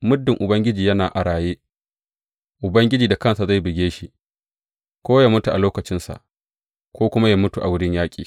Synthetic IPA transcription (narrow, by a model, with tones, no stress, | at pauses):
mʊ˦dːɪ˨ŋʔʊ˨bɐ˦ŋɡʲɪ˦d͡ʒiː˨jɐ˦naː˨ʔa˨ɽaː˨jeː˦ | ʔʊ˨bɐ˦ŋɡʲɪ˦d͡ʒiː˨da˨kɐ˦nsa˨za˦˨jbɪ˨ɡʲeː˦ʃi˦ʔ | kʷoː˦jaː˦mʊ˦tu˨ʔa˨loː˦kɐ˨t͡ʃɪ˦nsa̰˨ʔ | kʷoː˦kʷʊ˦ma˦jaː˦mʊ˦tu˨ʔa˨wʊ˦ɽɪ˦ɲjaː˦kʲʼḭː˨